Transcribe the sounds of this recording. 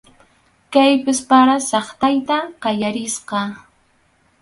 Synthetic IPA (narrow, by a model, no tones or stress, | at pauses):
kajpɪspaɾasɑχt̪ajt̪aqɑjaɾɪsqɑ